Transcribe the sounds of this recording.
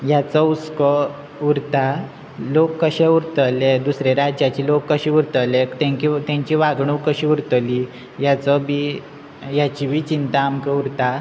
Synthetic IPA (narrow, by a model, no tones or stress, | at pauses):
jat͡səut͡skə | uɾt̪a | lokːəɕeuɾt̪əled̪usɾeɾad͡ʑjat͡ɕilokːəɕiːuɾt̪əlekt̪ɛ̃ɲkit̪ãɲt͡ɕiʋaɡɳ̃ukəɕiuɾt̪əli | jat͡səbi | jat͡ɕibʱiːt͡ɕint̪aːmkeuɾt̪a